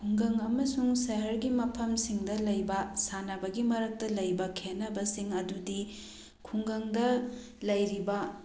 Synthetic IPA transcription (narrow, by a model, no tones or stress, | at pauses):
kʰuŋɡɐŋɐmɐsuŋsɐɦɐɾɡimɐpʰɐmsiŋdɐlɐjbɐsanɐbɐɡimɐɾɐk̚tɐlɐjbɐkʰenːɐbɐsiŋɐdudi | kʰuŋɡɐŋdɐ | lɐjɾibɐ